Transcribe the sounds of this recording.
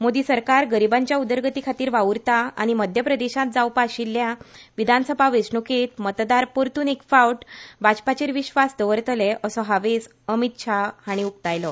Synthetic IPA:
mod̪iːsəɾkaɾɡəɾibãɲt͡ɕjaud̪əɾɡət̪ikʰat̪iːɾʋauɾt̪aa̰ɽ̃iməd̪ʱjəpɾəd̪eɕãt̪̚d͡zawpaɕilːjaʋid̪ʱansəbʱaʋesɳuket̪mət̪d̪aɾpoɾt̪unekfawʈbad͡ʑpat͡ɕeɾʋiɕʋasd̪əʋəɾt̪əlɛəsɔɦaʋes | əmit̪̚ɕʰaaɽ̃iuk̚t̪ajlɔ

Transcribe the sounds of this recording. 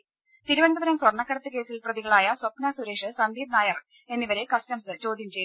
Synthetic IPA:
t̪iɾuʋɐnd̪ɐbɐɾɐmswɐrɳɐkːɐɾɐt̪ːɨke̞ːsilprɐðiɣɐɭaːjɐswɐpnɐsuɾe̞ːʂɨsɐnd̪iːbnaːjɐr | e̞nːiʋɐɾe̞kɐstɐmsɨt͡ɕo̞ːd̪ʱjɐmt͡ɕe̞j

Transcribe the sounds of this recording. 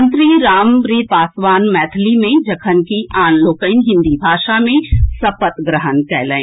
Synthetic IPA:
nt̪ɾiɾaːmɾiːpaːsʋaːnmɛːt̪ʰlimẽd͡ʒɐkʰənkiʔaːnloːkəɪnɦɪ̃nd̪ibʱaːʃamẽsɐpət̪ɡɾəɦənkɛːləẽː

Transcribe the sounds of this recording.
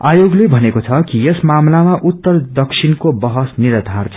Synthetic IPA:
ajoɡlebʱʌnekot͡sʰʌkijesmamlamaʔut̪ːʌrd̪ʌksʰinkobʌɦʌsniɾʌd̪ʱart͡sʰʌ

